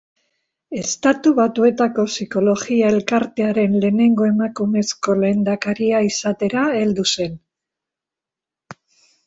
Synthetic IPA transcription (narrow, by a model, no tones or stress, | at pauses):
e̞st̪at̪uβat̪ue̞t̪ako̞siko̞lo̞ɣiae̞lkaɾt̪e̞aɾe̞nle̞ːne̞ŋɡo̞e̞makume̞sko̞le̞ːnd̪akaɾiaisat̪e̞ɾae̞ld̪use̞n